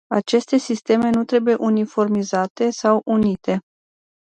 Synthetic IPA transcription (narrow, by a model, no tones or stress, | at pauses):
at͡ʃe̞st̪e̞sist̪e̞me̞nut̪ɾe̞buje̞ʔunifo̞rmizat̪e̞sawʔunit̪e̞